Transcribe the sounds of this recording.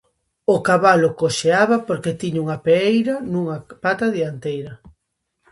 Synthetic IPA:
okaβalʊkoʃeaβɐpoɾket̪iɲuŋɐpeejɾɐnũŋɐpat̪aðiant̪ejɾɐ

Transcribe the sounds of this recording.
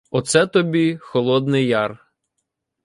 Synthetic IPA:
ɔt̪sɛt̪ɔbʲixɔlˠɔd̪nɪjjɑr

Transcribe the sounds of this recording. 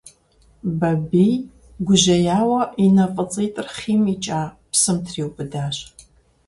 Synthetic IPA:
bɐbij | ɡʷʊʒɐjaːwɐʔinɐqʼət͡sʼejtʼɨrχiːmit͡ʃʼaː | psɨmtʰriːwpʼɨdaːɕʼ

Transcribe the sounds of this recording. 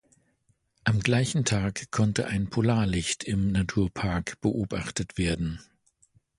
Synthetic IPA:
ʔamɡlaɪçn̩tʰaːkkʰːɔntəʔaɪnpʰolaːɐlɪçtɪmnatʰuːɐpʰaɐkb̥əʔoːba̰χtətv̥eːɐdn̩

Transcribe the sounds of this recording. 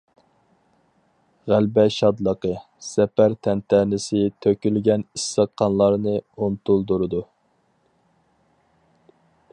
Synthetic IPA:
ʁælbɛʃɑd̪lˠəqə | sɛpæɾt̪ʰɛnt̪ʰænɪsɪt̪ʰøkʲylɡʲɛnisːəqʰːɑnlˠɑɾnɨunt̪ulˠd̪uɾɨd̪u

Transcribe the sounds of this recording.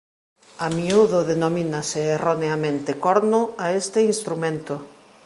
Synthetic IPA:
amiuðoðenominaseːroneamẽnt̪ekɔɾnʊaest̪einst̪ɾumẽnt̪ʊ

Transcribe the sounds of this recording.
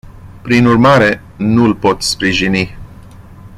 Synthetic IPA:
pɾinurmaɾe̞ | nulpo̞t̪spɾiʒini

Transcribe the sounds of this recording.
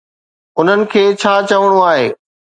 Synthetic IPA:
ʊn̤ənɪ̆kʰeːt͡ɕʰaːt͡ɕɐʋəɽ̃uaːɦeː

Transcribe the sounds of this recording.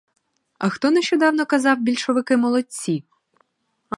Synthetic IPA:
ɐxt̪ɔnɛʃt͡ʃɔd̪ɑwnɔkɐzɑwbʲilʲʃɔʋɪkɪmɔlˠɔt͡sʲi

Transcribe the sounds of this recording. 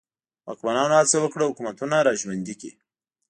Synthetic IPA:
wɑ̰kmanɑnohat͡sawəkɽəhʊkumat̪unaɾɑʒwand̪ikḭ

